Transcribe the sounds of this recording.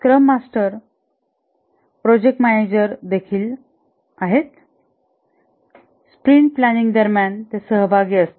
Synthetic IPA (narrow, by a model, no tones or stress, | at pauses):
kɾəmːasʈəɾ | pɾod͡ʑek̚ʈmæned͡ʑəɾd̪ekʰiːl | aɦet̪ | spɾiɳʈ̚plæniŋɡd̪əɾmjant̪esəɦbʱaɡiːəst̪e